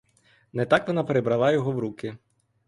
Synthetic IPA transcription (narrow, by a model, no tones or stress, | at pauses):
nɛt̪akʋɔnapeɾɪbɾɐlˠɑjɔɦɔwɾukɪ